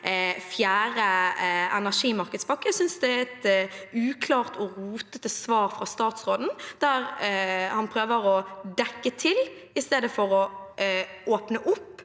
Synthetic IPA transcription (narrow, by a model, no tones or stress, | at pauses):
fjæːʁəɛnæʂiːmɑɾkəd̪spɑkːəsʏnsd̪ɛɛt̪ʉːkʰlɑːʁt̪ʰɔɾuːt̪ət̪əsʋɑːɾfʁɑst̪ɑːt̪sʁoːd̪n̩d̪̥æɾhɑnpʰɾøːʋəɾɔd̪ɛkːət̪ʰɪlɪst̪eːd̪əfɔɾɔ | oːpnəʔʊpː